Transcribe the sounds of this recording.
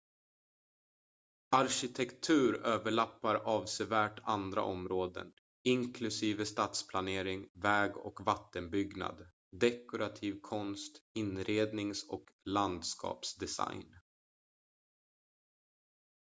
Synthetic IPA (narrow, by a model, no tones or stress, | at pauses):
aɾɕɪt̪ʰɛkt̪ʰʉ̟ːɾøːvəɭapːaɾɑːvsevæːʈand̪ɾa̰ʔɔmɾoːd̪ə̰n | ɪŋkʰlɵsiːvəst̪ɑːt̪spʰlaneːɾɪŋvɛːɡɔ̰kvat̪ːənbʏɡna̰d̪ | d̪ɛkʊɾat̪ʰiːvkʰɔnst̪ɪnɾeːd̪nɪŋsɔkland̪skʰɑ̰ːpsd̪ɛsa̰jn